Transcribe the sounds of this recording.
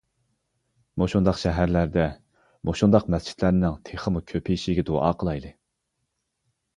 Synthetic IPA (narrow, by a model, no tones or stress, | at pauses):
moʃund̪ɑqʃɛɦæɾlæɾd̪ɛ | moʃund̪ɑqmɛst͡ʃʰi̥t̪ʰlæɾnɪŋt̪ʰeχəmukʲʰøpʰijiʃiɡʲɛd̪oɑ̰ːqʰəlˠɑjlˠɨ